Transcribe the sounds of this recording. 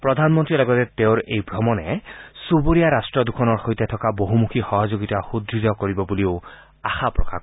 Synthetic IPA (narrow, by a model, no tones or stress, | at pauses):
pɹɔd̪ʱanmɔntɹilɔɡɔtɛteʊ̃ɹejbʱɹɔmɔnɛsuboɹijaɹastɹɔdukʰɔnɔɹxojtɛtʰɔkaboɦumukʰixɔɦɔzoɡitaxud̪ɹidɔkoɹibɔbuliʊ | axapɹɔ̰kʰa̰k